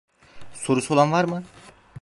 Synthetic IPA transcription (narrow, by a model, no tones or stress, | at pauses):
so̞ɾusolˠanvaɾmɯ